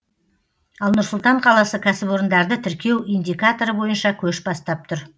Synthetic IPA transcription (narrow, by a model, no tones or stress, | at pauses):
ɑlˠnʊɾsʊlˠt̪ɑɴqʰɑlˠɑsəkʲʰæsɪpo̞ɾənd̪ɑɾd̪ət̪ʰɪɾkʲʰe̞wʔijnd̪ijkat̪o̞ɾəbo̞jənʃɑkʲʰɵʃbɑst̪ɑp̚t̪ʰʊɾ